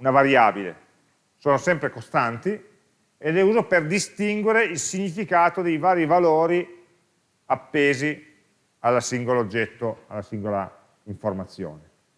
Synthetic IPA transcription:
unavaɾjaːbilḛ | soːnosɛmpɾekost̪ant̪i | eleuːzoperd̪ist̪iŋɡweɾeilsiɲːifikaːt̪od̪ejvaːɾivaloːɾi | apːeːzi | alːasiŋɡoloːd͡ʒːɛt̪ːoalːasiŋɡola̰ | iɱformat̪sːjo̰ːne

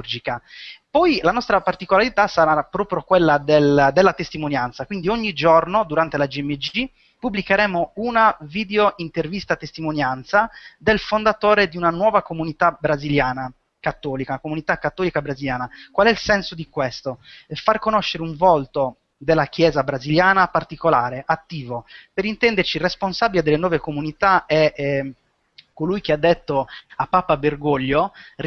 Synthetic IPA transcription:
urd͡ʒikapɔjlanɔst̪ɾapart̪ikolaɾit̪asaɾapɾɔːpɾjokwelːad̪eld̪elːat̪est̪imonjant̪sakwind̪ioɲːid͡ʒornod̪uɾant̪elad͡ʒiɛmːed͡ʒi | pubːlikeɾɛːmounaviːd̪eoʔint̪ervist̪at̪est̪imonjant̪sad̪elfond̪at̪oːɾed̪iunanwɔːvakomunit̪abɾaziljaːna | kat̪ːɔːlikaunakomunit̪akːat̪ːɔːlikabɾaziljaːnakwalɛilsɛnsod̪ikwest̪ofarkonoʃːeɾeuɱvolt̪o | d̪elːak̟jɛːzabɾaziljaːnapart̪ikolaːɾeʔat̪ːiːvopeɾint̪ɛnd̪ert͡ʃiresponsabiled̪elːenwɔːvekomunit̪aɛ | kːolujk̟ead̪ːet̪ːoapːaːpaberɡoʎːo

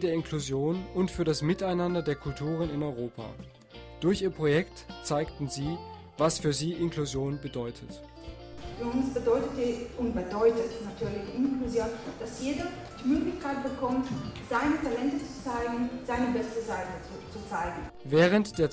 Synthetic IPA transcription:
deːɐɪnkʰluzjoːnʊntfyːɐɾdasmɪtaɪnandɐdeːɐkʰʊltʰuːʁ̞ənɪnɔʏʁoːpʰa̰ː | d̥ʊɐçʔiːɐpʁ̥ojɛktt͡saɪktn̩ziː | vasfyːɐziːʔɪnkluzjoːnbədɔʏtʰət | fyːɐʊnsb̥ədɔʏtətdiʔʊntb̥ədɔʏtətnatʰyːɐlɪçʔɪnkluzjoːnd̥asjeːdɐ | d̥imøːɡlɪçkaɪt̚b̥əkʰɔmtz̥aɪnətʰalɛntət͡su̥t͡saɪɡŋ̩z̥aɪnəbɛstəzaɪtəut͡sut͡saɪɡŋ̩ | vɛːʁ̞əntd̥eːɐ

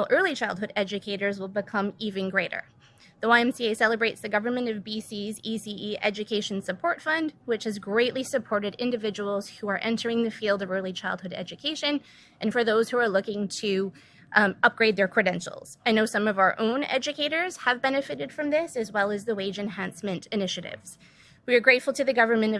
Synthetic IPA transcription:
lˠʔɜ˞lˠit͡ʃʰaɪlˠd̚hʊɾɛd͡ʒɨkʰeɪɾə˞zwəlˠbɨkʰʌ̃mivɨ̃nɡɹeɪɾə̰˞ | ðəwaɪɛ̃msieɪsɛlˠəbɹeɪtsðɨɡʌvə˞mɨ̃ntʌvbisizisiiʔɛ̰d͡ʒɨkʰeɪʃn̩sɨpʰɔɹtfʌ̃ndwɨt͡ʃhɨzɡɹeɪʔˡlisɨpʰɔɹɾɨɾɪ̃ndɨvɪd͡ʒəwl̩ˠz̥huə˞ʔɛ̃ntʰə˞ɪ̃ŋðɨfilˠdʌvɜ˞lˠit͡ʃʰaɪlˠd̚hʊɾɛ̰d͡ʒɨkʰeɪʃɨ̃n | ʔɨ̃nfə˞ðoʊz̥huə˞lʊkɪ̃ŋtʰɨ | ʌp̚ɡ̥ɹeɪd̪̚ðə˞kʰɹ̥ɨdɛ̃nʃl̩ˠz̥aɪnoʊsʌ̃mʌvaʊə̰˞ʔõʊ̃nɛ̰d͡ʒɨkʰeɪɾə˞z̥əvbɛnɨfɨɾɨd̥fɹʌ̃mðɪsɨzwɛlˠɨzðɨweɪd͡ʒɨ̃nɦæ̃nsmɨ̃ntɨnɪʃɨɾɪ̰vz̥ | wiə˞ɡɹeɪtfl̩ˠtʰɨðɨɡʌvə˞mɨ̃ntʌ

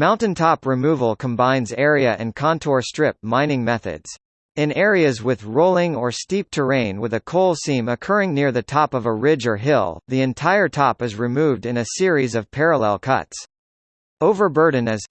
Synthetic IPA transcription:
mãʊ̃ntɨ̃ntʰɑpɹɨmuvl̩ˠkʰə̃m̩bãɪ̃nzɛɹiɨʔɨ̰̃nkʰɑ̃ntʰɔɹstɹ̥ɪp̚mãɪ̃ñɪ̃ŋmɛθɨ̰dz̥ | ɨ̃nɛɹiɨzwɪðɹoʊlˠɪ̃ŋə˞stip̚tʰə˞ẽɪ̃nwəðɨkʰoʊlˠsĩmɨkʰɜ˞ɪ̃ŋnɪɹðɨtʰɑpʌvəɹɪd͡ʒə˞ɦɪlˠðiɨ̃ntʰaɪə˞tʰɑpɨzɹɨmuvdɨ̃nɨsɪɹizʌv̥pʰɛɹəlɛ̰lˠkʰʌ̰ts | oʊvə˞bɜ˞dⁿn̩ɨz̥

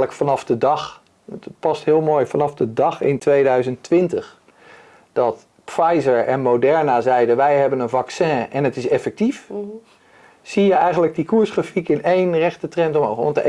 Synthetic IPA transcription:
ləkfɑnɑfdədɑχ | pɑstɦɪːlˠmoːjfɑnɑfdədɑχɪntʋejdœɥzəntʋɪntəχ | d̥ɑt | pfajzəɹɛnmowdɛɹnazɛjdəʋɛjɦɛbənənvɑksɛ̃ːɛnətɪsɛfɛk̚tif | sijəɛjχənləɡ̚dikuːɹsχrafikɪnejnrɛχtətrɛntɔmoɔ̰ntə

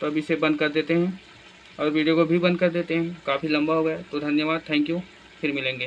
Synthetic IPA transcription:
t̪oɐbɪsebɐ̃nd̪̚kɐɾd̪eːt̪eɦɛ̃ | ɔːɾʋiːɖijokobʱibɐ̃nd̪̚kɐɾd̪eːt̪eɦɛ̃kaːfilɐ̃mbaɦoɡɐat̪od̪ʱɐnjəʋaːd̪̚t̪ʰɛ̃ːŋkju | fʰɪɾmɪlẽːŋɡeː

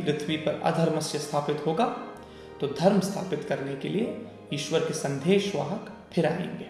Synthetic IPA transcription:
pɾɪt̪ʰʋipɐɾɐ̰d̪ʱəɾmɐsjəst̪ʰaːpɪt̪ɦoːɡaː | t̪od̪ʱɐɾmst̪ʰa̰ːpɪt̪kɐɾnekelie | jiːʃʋəɾkesɐ̃nd̪ʱeːʃʋaːɦək | pʰɪɾaːḛ̃ːŋɡeː

